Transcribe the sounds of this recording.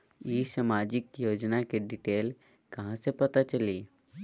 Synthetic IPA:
jiːsamaːd͡ʒɪkjoːd͡ʒnakeɖɪʈeːl | kɐɦãsepɐt̪at͡ʃəliː

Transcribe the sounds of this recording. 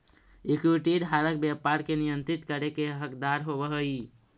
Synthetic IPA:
ekuʈiɖɦaɾək̚bjapaɾkenijənt̪ɾit̪kəɾekeɦəkd̪aɾɦobəɦəj

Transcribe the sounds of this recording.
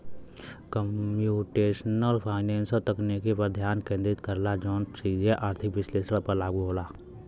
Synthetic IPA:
kəmjuːʈeːʃənəlpʰaːɪnẽːnsət̪əknekepəɾd̪ʱjaːnkẽːnd̪ɾɪt̪kəɾlad͡ʒɔːnsid͡ʒeʔaːɾt̪ʰɪkʋɪsleːsɽãpɐɾlaːɡuɦoːlaː

